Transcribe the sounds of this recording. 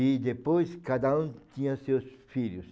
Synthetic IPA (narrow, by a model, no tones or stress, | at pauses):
ɪd̪epojskad̪ɐũt̪ĩɲɐsewsfiʎʊs